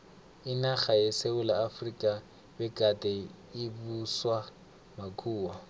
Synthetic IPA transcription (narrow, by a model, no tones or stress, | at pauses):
ɪnaχajeseʊlaːfrikʼa | bɛkʼatʼɛ | ɪbuswa | makʼʰuːwa